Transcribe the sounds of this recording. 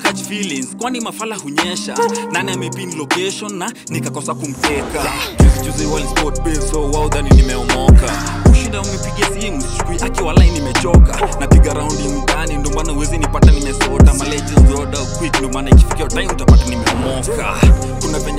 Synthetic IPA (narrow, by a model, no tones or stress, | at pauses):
kat͡ʃfilinzkwanimafalahuɲɛʃa̰naniamɛpinilɔkɛʃɔnːa | nikakɔsakum̩tɛkatizit͡ʃuzɛwanspɔt̚pɛzɔwauðaninimɛɔmɔkakuʃindaunipiɡiasihimuskuʔakiwalainimɛt͡ʃɔka̰napiɡaɾaundimutanindiɔmanauwɛzinipatanimɛsɔtamalɛd͡ʒɛzɔɗakwikndiɔmaːnaikifi̥kiatajmutapatanimɛɔmɔka̰ | kunapɛɲ